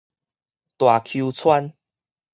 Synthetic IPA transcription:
t̪wa˨˩kʰu˧t͡sʰwa˦n

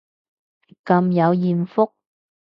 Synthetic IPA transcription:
kɐ˨˧mjɐ˨˧wjiː˨nfʊ˥k̚

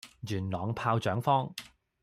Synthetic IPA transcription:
jyː˨˩nlɔː˨˧ŋpʰaː˧wt͡ʃœː˨˥ŋfɔː˥ŋ

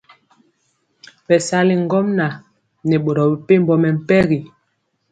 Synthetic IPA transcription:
ɓɛ˨sa˦li˨ŋ˦ɡɔ˦mna˨ | nɛ˨ɓo˨ɾɔ˨bi˨pe˦m̩˦bɔ˦mɛ˨m̩˦˨pɛ˦ɣi˨

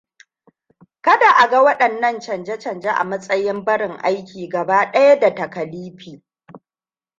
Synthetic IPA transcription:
kɐ˦da˨ʔa˨ɡɐ˦wɐ˦ɗɐ˨nːɐ˦nt͡ʃɐ˨nd͡ʒɐ˦t͡ʃɐ˨nd͡ʒa˦ʔa̰˨mɐ˦sʼɐ˦jɪ˦mbɐ˦ɽɪ˨ŋʔa˦jkʲiː˨ɡɐ˨baː˦ɗɐ˦ja˦da˨tɐ˨kɐ˨liː˦ɸiː˨

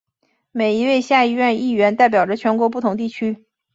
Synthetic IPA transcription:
me˨˩ɪi˧˥we˥˧ɪɕja˥˧i˥˧ɥɛ˥˧ni˥˩ɥɛ˧˥nt̪a˥˩ɪp̬jɑ˨˩ʊʈ͡ʂə˦t͡ɕʰɥɛ˧˥nkwɔ˧˥p̬u˥˩t̪ʰʊ˧˥ŋt̪i˥˩t͡ɕʰy˥

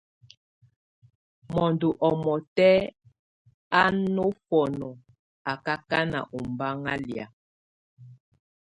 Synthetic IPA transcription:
mɔ˨ndo˨ʔɔ˨mɔ˨tɛ˦ | a˦no˦fɔ˨nɔ˨ | a˨ka˦ka˦na̰˨ʔo˨mba˦ŋa˦lja̰˨

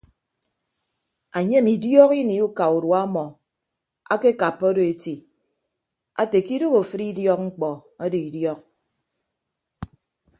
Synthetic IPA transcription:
a˨ɲe˦mi˨djɔ˦ki˦ni˨u˦ka˨u˨ɾwa˦mɔ˨ | a̰˦ke˦ka˨pːɔ˦do˨e˨ti˨ | a̰˦te˨ki˦do˦ɣo˨fɨ˦ɾi˦djɔ˦k̚ŋ͡m̩˦k͡pɔ˨a˦do˨i˨djɔ˦k̚

